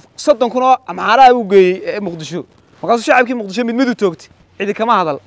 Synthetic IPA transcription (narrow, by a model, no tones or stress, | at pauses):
sɔd̪ɔŋkʰʊnɔːɐmaːɾɐuɡɛːjɛjɛmʊqd̪ɪʃɔ | mɐrkʰaːs̬uːʃɑʕɑb̚kʰiːmʊqd̪ɪʃ̬ɔmɪd̪mɐðut͡ʃ̪ʰɔːkt̪ʰɪ̥ | ʕɪðɪkʰɐmɐhɐðɐl